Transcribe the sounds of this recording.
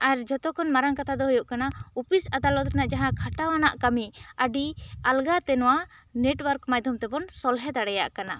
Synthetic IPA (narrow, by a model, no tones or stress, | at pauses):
aɾd͡ʒɔt̪ɔkʰɔnmaɾaŋkat̪ʰad̪ɔɦujɔʔkanaupisad̪alɔd̪̚kanaʔd͡ʒaɦãkʰaʈawanaʔkamiəɖialɡat̪ɛnɔwaneʈwaɾkmajd̪ʱumt̪ɛbɔnsɔlɦɛd̪aɽɛjaʔkana